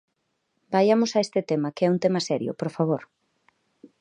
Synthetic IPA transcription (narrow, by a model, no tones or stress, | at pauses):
bajamʊsaest̪ɪt̪emɐkeɛunt̪emɐsɛɾjʊ̰poɾfaβoɾ